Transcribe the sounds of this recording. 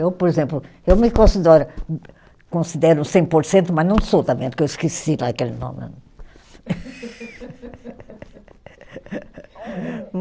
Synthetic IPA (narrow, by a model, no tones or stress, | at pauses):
ewpoɾezẽmplʊ | ewmɪkõsid̪ɛɾʊ | kõsid̪ɛɾũsẽj̃poɾsẽnt̪umɐznɐ̃w̃sot̪ɐ̃mẽd̪ukewiskisilaɐkelɪnõ̰mɐ̰̃